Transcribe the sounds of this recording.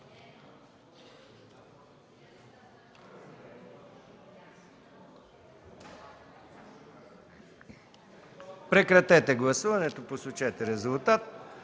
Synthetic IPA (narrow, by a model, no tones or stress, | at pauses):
pɾɛkɾat̪ɛt̪ɛɡlˠasuʋanɛt̪oposut͡ʃɛt̪ɛɾɛzulˠt̪at̪